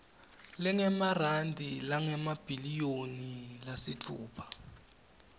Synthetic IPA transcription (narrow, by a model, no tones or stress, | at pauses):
lɛŋɛmarandʱilaŋɛmab̥ʱilijonilasit͡fʰṵːpʰḁ